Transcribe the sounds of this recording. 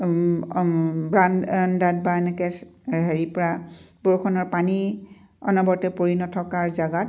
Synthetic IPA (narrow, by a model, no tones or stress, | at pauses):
bɹanndat̚baenɛkɛsɦeɹipɔɹaboɹkʰɔnɔɹpani | ɔ̰nɔbɔɹtɛpoɹinɔtʰɔkaɹzaɡat̚